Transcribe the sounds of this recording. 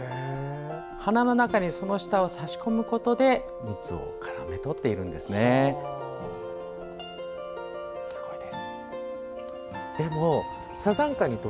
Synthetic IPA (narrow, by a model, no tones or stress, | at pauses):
e | hanano̞nakaɲ̟iso̞no̞ɕi̥t̪aosaɕi̥ko̞mɯ̟ko̞t̪o̞d̪e̞ | mɯ̟t͡sɨo̞̰kʰaɾa̰me̞t̪o̞t̪ːe̞iɾɯ̟̃nd̪e̞sɨne̞ | sɨ̥ɡ̥o̞id̪esɨ̥ | d̪̥e̞mo̞ | sazãŋkaɲ̟it̪o